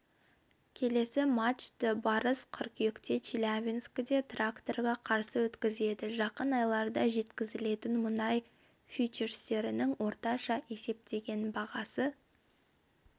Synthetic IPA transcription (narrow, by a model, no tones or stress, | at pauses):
kʲʰe̞le̞sɪmat̪t͡ʃt̪ɪbɑɾəsqʰʊɾqje̞kt̪e̞t͡ʃʰilʲavʲinskʲɪd̪e̞t̪rakt̪o̞rʁɑqʰɑɾsəwɵt̪kʲɪze̞d̪ɪʒɑqənɑjlˠɑɾd̪ɑʒe̞t̪kʲɪzɪle̞t̪ɪnmʊnɑj | fʲit͡ʃeɾst̪e̞ɾɪnɪŋwo̞ɾt̪ɑʃɑʔe̞se̞p̚t̪e̞ɡʲe̞nbɑʁɑsə